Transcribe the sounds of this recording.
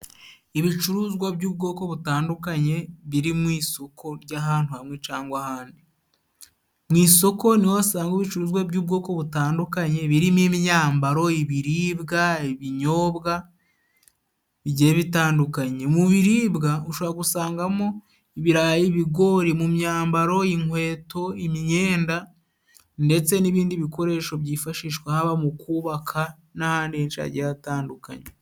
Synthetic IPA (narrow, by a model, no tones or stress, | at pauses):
iβit͡ʃuɾuːzɡwabɟuːb̚ɡo̞ːko̞βutaːndukaɲe̞βiɾimwiːso̞kʰo̞ɾɟaɦaːn̥tuhamŋe̞t͡ʃaːŋɡwahaːndi | mŋiːso̞ko̞niwaasaːŋɡiβit͡ʃuɾuːzwabɟuːb̚ɡo̞ːko̞βutaːndukaɲe̞βiɾimemjaːmbaɾo̞iβiɾiːβɡaiβiɲo̞ːβɡa | iɟeːβitaːndukaɲe̞muβiɾiːbɡauʃoβɾaɡusaːŋɡamo̞ | iβiɾajiβiɡo̞ɾimumɲaːmbaɾo̞iŋhwe̞ːto̞imiɲe̞ːnda | nde̞t͡se̞niβiːndiβiko̞ɾe̞ːʃo̞βɟiːfaʃiːʃkwehaβamukuːβakʰa | nahaːndihenʃa̰ɟiataːnduka̰ɲe